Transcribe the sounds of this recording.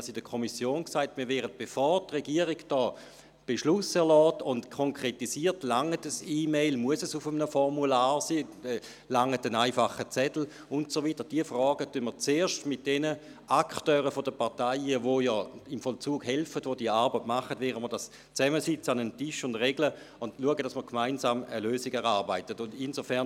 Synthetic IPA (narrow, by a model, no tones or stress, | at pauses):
sidəkʰomisjoːnksaɪtmiːʋɛːʁət̚b̥efɔʁtʁeɡiəʁiɡd̥ɔː | b̥eʃlʊsɛʁlɔːtʊntkʰoŋkʁ̥etisiːɐtlaŋətəsiːmeɪlmuəsəsufəmənəfɔʁmulaːʁsiː | laŋːətənaɪfaχət͡sɛdl̩ | ʊntsovitəʁd̥iəfʁɔːɡətynmət͡seːɐʃtmɪt̚d̥ɛnə | ʔaktøːʁəfodəpaɐtaɪəʋojɔːɪmfɔlt͡suːɡɦɛlfədʋodiəaɐbətmaχədʋɛːʁəməɐdas | t͡sɛməsɪt͡səanəntɪʃʊndʁeɡlə | ʊndluəɡəd̥asməʁkʰmaɪnsaːməløːsiɡɛʁaʁbaɪtətʊndinzofɛɐn